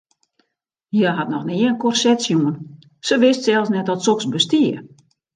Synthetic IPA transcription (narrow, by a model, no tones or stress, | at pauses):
jəɦatnɔxniənkɔrsɛtsjuən | səʋɪstsɛlˠsnɛtɔtsoksbəstiə